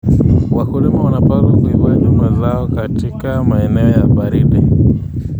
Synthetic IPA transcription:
wakulimawanapazakuiwaɲumbazaɔkatikamaɛnɛɔjaɓaɾiɗi

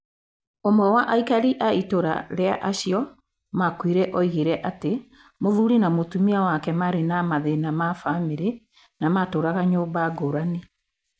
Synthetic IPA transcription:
omɔwaʔaikaɾiʔaitoɾa̰ɾea̰ʔaɕiɔ | makwiɾɛʔɔiɣeɾɛʔate | moðuɾinamotumiawakɛmaɾenamaðenamafameɾe | namatoːɾaɣaɲoːmbaɡoɾane

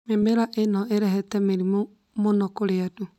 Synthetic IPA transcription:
memeɾaʔenɔeɾɛɦɛtɛmeɾimo | monɔkoɾeadu

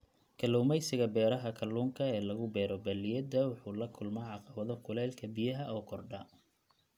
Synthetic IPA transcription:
kʰɐluːmɛjsɪɣɐbɛːɾɐɦɐkʰɐluːŋkʰɐɛːlɐɣʊbɛːɾɔbɐlɪjɐd̪ɐwɑħuːlɐkʰʊlmɛjʕɑqɑβɐðɔkʰʊlɛːlkʰɐbɪjɐɦɐʔɔːkʰɔrɖɐ

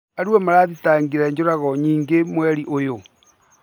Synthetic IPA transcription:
aɾuɛmaɾaːðitaːŋɡiɾɛɲd͡ʑoɾaɣɔɲiːŋɡemwɛɾiʔojo

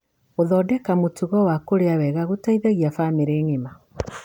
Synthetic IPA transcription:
oðɔːdɛkamotuɣɔwakoɾeawɛɣaɣotaiðaɣiafameɾeːŋema

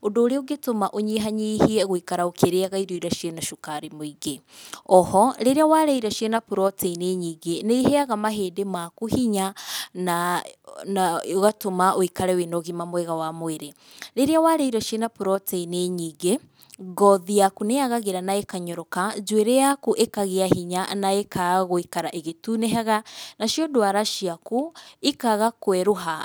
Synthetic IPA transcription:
odoːɾeoɡetomaʔoɲiɦaɲihiɛɣoikaɾaokeɾeaɣaiɾoiɾaʃienaʃokaɾemoiɡe | ɔhɔɾeɾeawaɾeiɾaʃienapuɾɔteineːɲiːɡeneiɦeaɣamaɦeːdemakuhiɲana | aɣatomaʔoikaɾɛwenɔɣimamwɛɣawamoeɾe | ɾeɾeawaɾeiɾɔʃjenapuɾɔtɛineɲiːɡe | ɡɔðiakuneaɣaɣeɾanaekaɲɔɾɔkad͡ʒweɾejakuʔekaɣeahiɲanaekaɣoikaɾaʔeɣetuneɦaɣanaʃiɔdwaɾaʃiakuikaɣakwɛɾoɦa

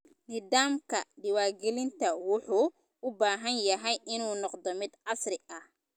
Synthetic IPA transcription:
niːd̪aːmkʰɐɖɪwaːrɡɛlɪnt̪ʰɐwʊħuː | ʊbaːɦɐnjɐɦɛjʔɪnuːnɔqd̪ɔmɪd̪ʕɑsrɪʔɐh

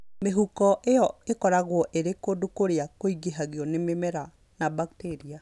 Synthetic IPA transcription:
meɦukɔʔeɔekɔɾaɣwɔʔeɾekodukoɾeakoiɣeɦaɣeɔnememɛɾa | nabakteɾia

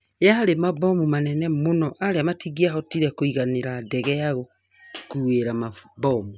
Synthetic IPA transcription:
jahaɾemabɔmumanɛnɛmonɔʔaɾeamatʰiɣiaɦɔtiɾɛkoiɣaneɾadɛɣɛaɣo | kueɾamabɔmu

